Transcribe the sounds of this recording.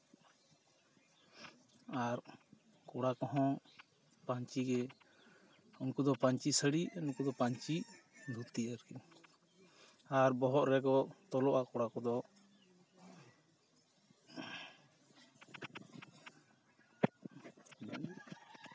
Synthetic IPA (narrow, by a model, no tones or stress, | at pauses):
aɾ | kɔɽakɔɦɔ̃ | paɲt͡ʃiɡɛ | ɔnkud̪ɔpaɲt͡ʃisəɽiɔnkud̪ɔpaɲt͡ʃid̪ʱut̪iəɾki | aɾbɔɦɔʔɾɛɡɔt̪ɔlɔʔaʔkɔɽakɔd̪ɔ